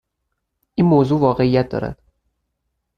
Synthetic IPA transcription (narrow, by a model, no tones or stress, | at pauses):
ʔiːnmoːzuːvɒːɣe̞ijæt̪̚d̪ɒ̰ːɾæ̰d̪̥